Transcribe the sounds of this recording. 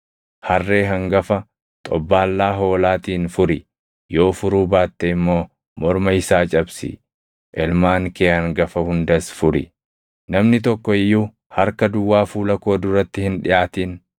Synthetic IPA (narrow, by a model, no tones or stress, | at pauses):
hɐrːe̞ːɦɐŋɡɐfɐ | t̪ʼɔbːaːlːaːɦo̞ːlaːt̪iːnfʊɾɪ | jo̞ːfʊɾuːbaːt̪ːɛɪmːo̞ː | mɔɾmɐɪsaːt͡ʃʼɐbsɪ̰ | ʔɛlmaːŋkeːhɐŋɡɐfɐhʊnd̪ɐsfʊɾɪ̰ | nɐmnɪt̪̬ɔkːɔɪjːuː | hɐɾkɐd̪ʊwːaːfuːlɐkoːd̪ʊɾɐt̪ːɪhɪnᶑɪjʔaːt̪iːn